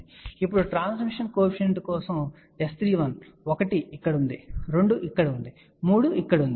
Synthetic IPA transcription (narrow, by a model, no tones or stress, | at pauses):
ipːuɽuʈɾaːns̬miʂɐnkoːpʂɐɳʈikɔːsɐm | est̪ɾiːʋɐn | okɐʈiːkːɐɽund̪iɾe̞ɳɖuʔikːɐɽɐund̪i | muːɽuikːɐɽund̪